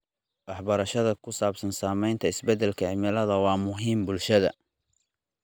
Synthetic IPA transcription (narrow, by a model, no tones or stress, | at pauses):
wɑħbɐɾɐʃɐðɐkʰʊsaːbsɐnsaːmɛjnt̪ʰɐɪsbɛd̪ɛlkʰɐʕɪmɪlɐðɐwɑːmʊɦiːmbʊlʃɐðɐ̰